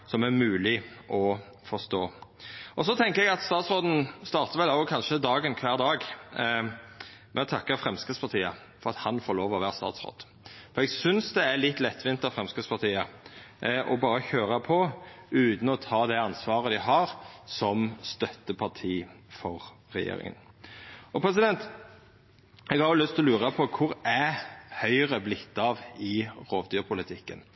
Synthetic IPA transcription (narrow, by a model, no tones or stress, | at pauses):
sɔmæɾmʉːlɪʔɔ | fɔst̪oːʔɔsɔt̪ʰɛŋkəɛɡɑt̪st̪ɑːt̪sɾoːd̪n̩st̪ɑːɾt̪əʋɛlɑlɔkʰɑnʃəd̪ɑːɡənkʰʋæːɾd̪ɑːɡ | mʔɛɔt̪ʰɑkːəɾfɾɛmskəspɑɾt̪ʰiːə | fɔʁɑt̪hɑnfoːɾloːʋɔʋæːʁəst̪ɑ̰ːt̪sɾo̰ːd̪̥ | fɔɾɛɡsʏnsd̪ɛælɪt̪ːlɛt̪ːʋɪnt̪ːəɾfɾʁɛmskəspɑʁt̪ʰiːə | ʔɔbɑːɾəçøːɾɑpʰɔʉːt̪n̩ɔt̪ʰɑːd̪æɑnsʋɑːʁəd̪ɪɦɑɾsɔmst̪œt̪ːəpʰɑʈ̪ʰiːfɔɾ | ɾɛ̰jḛːɾɪ̰ŋə̰n | ɔpʰɾɛs̬ɪd̪ɛnt̪ | ɛɡhɑɾjʊlʏst̪ʰlɔlʉːɾɑpʰɔkʰʊɾæhœʏʁəblɪt̪ːɑʋɪʁoːʋd̪yːʁpʰʊlɪt̪ʰɪkːə̰n